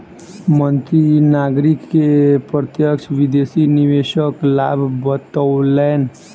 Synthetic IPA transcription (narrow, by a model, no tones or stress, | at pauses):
mənt̪ɾinaɡɾikːepɾət̪jəkt͡ʃʰʋid̪esiniʋeʃəklabʱbət̪əlɛn